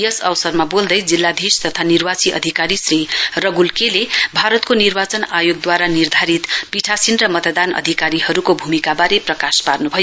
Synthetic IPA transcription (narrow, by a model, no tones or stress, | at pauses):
jʌsʌwsʌrmabold̪ʌjd͡zilːad̪ʱist̪ʌt̪ʰanirbat͡siʔʌ̰d̪ʱikaɾisrirʌɡulkelebʱaɾʌt̪konirbat͡sʌnajoɡ̚d̪waɾanird̪ʱaɾit̪piʈʰasinrʌmʌt̪d̪anʌ̰d̪ʱikaɾiɦʌɾukobʱumikabaɾeprʌkasparnubʱʌjo